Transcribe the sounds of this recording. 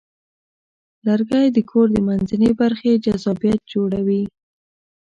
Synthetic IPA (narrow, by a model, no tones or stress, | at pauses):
laɾɡajd̪əkʰoɾd̪əmanzanibaɾxed͡ʒazɑbjat̪̚d͡ʒoɽawi